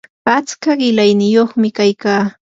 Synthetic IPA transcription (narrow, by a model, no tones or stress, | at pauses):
at͡skaɢɪlajnɪjoχmɪkajkaː